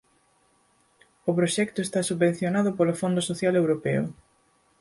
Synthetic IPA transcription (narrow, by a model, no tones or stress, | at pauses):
ʊpɾoʃɛkt̪ʊest̪asuββẽn̟θjonaðʊpolofond̪ʊsoθjalewɾopɛʊ̰